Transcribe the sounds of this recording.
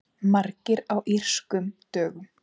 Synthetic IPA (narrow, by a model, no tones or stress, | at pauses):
maɾcɪɾawʔir̥skʏmt̪œːɣʏm